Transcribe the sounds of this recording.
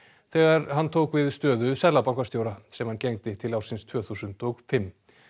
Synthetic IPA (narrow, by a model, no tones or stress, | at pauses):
θɛːɣaɾhanːt̪ʰoːwkvɪðst̪œːðʏsɛðlapawŋkast̪joːwɾasɛmhancejŋt̪ɪt̪ʰɪlawrsɪnst̪ʰv̥œːθusʏnt̪ɔɣfɪmː